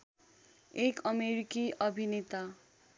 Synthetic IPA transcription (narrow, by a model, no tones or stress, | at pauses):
ekʌmeɾikiʔʌbʱinet̪a